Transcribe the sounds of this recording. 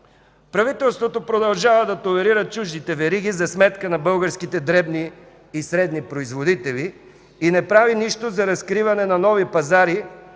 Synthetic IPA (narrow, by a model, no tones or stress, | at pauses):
pɾɐvit̪ɛlˠst̪vot̪opɾod̪ɐlˠʒavəd̪ɐt̪olɛɾiɾət͡ʃuʒd̪it̪ɛvɛɾiɡ̟izɐsmɛt̪kənɐbɤlˠɡəɾskit̪ɛd̪ɾɛbniː | sɾɛd̪nipɾoizvod̪it̪ɛliː | nɛpɾaviniʃt̪ozɐɾɐskɾivɐnɛnɐnɔvipɐzaɾi